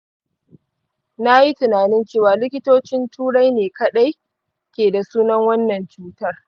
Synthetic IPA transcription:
na˦ji˦tʊ˨naː˨nɪ˦nt͡ʃeː˦˨waː˨lɪ˦kʲɪ˦toː˦t͡ʃɪ˦ntʰuː˦ɽa˦jneː˨kɐ˦ɗa˦j | kʲeː˨da˨suː˦nɐ˦ŋwɐ˦nːɐ˨nt͡ʃuː˦tɐ˦r

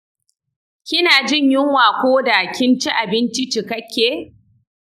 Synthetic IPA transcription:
kʲɪ˦naː˨d͡ʒɪ˦˨ɲjɪ˦ŋwaː˨kʷoː˦da˨kʲɪ˦nt͡ʃi˦ʔa˨bɪ˦nt͡ʃi˦t͡ʃɪ˨kɐ˦kʲʰːeː˨

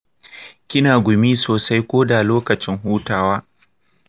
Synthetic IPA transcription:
kʲɪ˦naː˨ɡʷʊ˨mi˦soː˨sa˦jkʷoː˦da˨loː˦kɐ˨t͡ʃɪ˦ŋɦuː˦taː˦waː˦

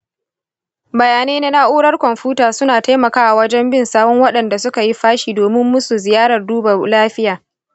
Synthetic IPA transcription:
bɐ˨jaː˨neː˦na˦na˦ʔuː˦ɽɐ˦rkʷɔ˨mɸuː˦taː˨sʊ˦naː˨ta˦jmɐ˨kaː˦ʔa˨wɐ˦d͡ʒɛ˦mbɪ˦˨nsaː˦bɔ˦ŋwɐ˦ɗɐ˨nda˨sʊ˦ka˨ji˦ɸaː˦ʃiː˨doː˨mɪ˦mːʊ˦su˨zɪ˨jaː˦ɽɐ˨rduː˦bɐ˨laː˦ɸɪ˦jaː˨

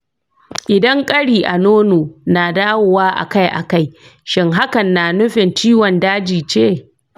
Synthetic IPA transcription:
ʔɪ˨dɐ˦ŋkʼɐ˦ɽiː˨ʔa˨noː˦noː˨naː˨daː˦wo˨waː˦ʔa̰˨ka˦jʔa̰˨ka˦˨j | ʃɪ˦ŋɦa˦kɐ˨nːaː˨nʊ˦ɸɪ˨nt͡ʃiː˦wɔ˨ndaː˦d͡ʒiː˨t͡ʃeː˦˨

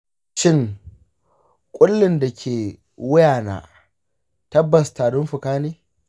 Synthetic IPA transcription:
ʃɪ˦˨ŋ | kʷʼʊ˦lːɪ˨nda˨kʲʰeː˨ | wʊ˦jaː˨na̰ː˨ | tɐ˦bːɐ˨staː˨ɽʊ˦mɸʊ˨kaː˦neː˦

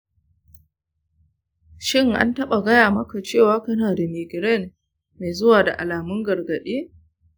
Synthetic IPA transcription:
ʃɪ˦ŋʔa̰˦ntɐ˦ɓa˨ɡɐ˦jaː˨mɐ˦ka˨t͡ʃeː˦˨waː˦kɐ˦naː˨da˨meː˨ɡʲɪ˨ɾɛ˦˨n | me˨zʊ˦waː˨da˨ʔa˨laː˨mʊ˦ŋɡɐ˨rɡɐ˨ɗeː˦

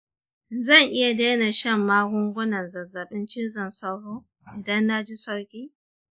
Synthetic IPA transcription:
zɐ˦˨ŋʔɪ˦ja˨daː˦na˨ʃɐ˦˨mːaː˦ɡʷʊ˦ŋɡʷʊ˦nɐ˨nzɐ˨za˨ɓɪ˦nt͡ʃɪ˦zɐ˨nsɐ˦rhoː˦ | ʔɪ˨dɐ˦nːa˦d͡ʒi˦sɐ˦rkʲiː˦

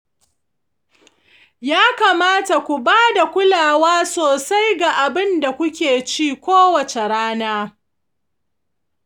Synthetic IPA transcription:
jaː˦ka˨maː˦ta˨kʷu˨baː˦da˨kʷʊ˦laː˨waː˦soː˨sa˦jɡa˨ʔa˨bɪ˦nda˨kʷʊ˦kʲeː˨t͡ʃiː˦kʷoː˦wɐ˨t͡ʃe˨ɽaː˦naː˦

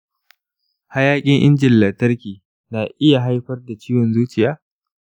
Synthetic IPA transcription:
ha˦jaː˦kʲʼɪ˦ŋʔɪ̰˦nd͡ʒɪ˨lːɐ˨tɐ˦rkʲiː˨ | naː˨ʔɪ˦ja˨ɦa˦jɸɐ˦rda˨t͡ʃiː˦wɔ˨nzuː˦t͡ʃɪ˨jaː˦

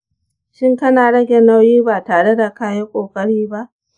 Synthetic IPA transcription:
ʃɪ˦ŋkɐ˦naː˨ɽɐ˦ɡʲe˨na˦wjiː˦baː˨taː˨ɽe˦da˨kaː˦je˦kʷʼoː˨kʼɐ˦ɽiː˦ba˦ʔ

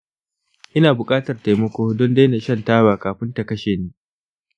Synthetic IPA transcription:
ʔɪ˦naː˨bʊ˨kʼaː˦tɐ˨rta˨jmɐ˦kʷoː˦dɔ˦nde˦na˨ʃɐ˦˨ntaː˦baː˨kaː˨ɸɪ˦nta˨kɐ˦ʃeː˨neː˦

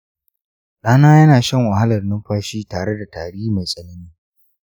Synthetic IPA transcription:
ɗaː˦naː˦jɐ˦naː˨ʃɐ˦˨ŋwa˨ha˦lɐ˨rnɪ˦mɸaː˦ʃiː˦taː˨ɽe˦da˨taː˨ɽiː˦ma˨jsʼɐ˨nɐ˦niː˦

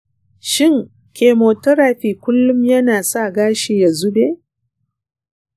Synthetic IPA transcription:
ʃɪ˦˨ŋ | kʲʰeː˨moː˨tɔ˦ɾa˨ɸiː˨kʷʊ˦lːʊ˦mjɐ˦naː˨sa˦˨ɡaː˦ʃi˨ja˨zʊ˦beː˦

